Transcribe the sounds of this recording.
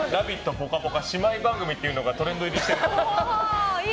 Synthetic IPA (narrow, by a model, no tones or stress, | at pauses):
ɾabʲit̪ːo̞po̞kabo̞kaɕimaibãŋɡɯ̟mʲit̪ːe̞iɯ̟no̞ɡat̪o̞ɾẽ̞nd̪o̞iɾʲiɕt̪e